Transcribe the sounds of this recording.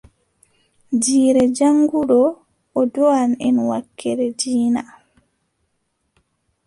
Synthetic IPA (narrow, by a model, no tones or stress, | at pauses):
d͡ʒiːɾɛd͡ʒaŋɡuɗɔː | dɔanɛ̰nwakːɛɾɛd͡ʒiːna